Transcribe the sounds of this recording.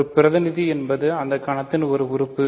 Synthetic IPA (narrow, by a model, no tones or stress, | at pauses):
ɯpɪɾɐðɐnɪðiɛnbɐðɯɐnd̪ɐkɐɳɐt̪ːɪnɔɾɯʊɾɯpːɯ